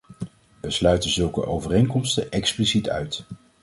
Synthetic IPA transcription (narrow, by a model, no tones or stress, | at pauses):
ʋəslœɥtənzɵlˠkə̰ʔo̰wvərejŋkɔmstəʔɛksplisitʰœ̰ɥt